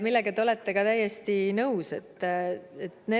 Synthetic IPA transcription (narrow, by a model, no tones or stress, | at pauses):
milːe̞ɡɑt̪eo̞le̞t̪ːe̞ɡ̥ɑt̪æjest̪inɤwse̞t̪ːˑet̪ne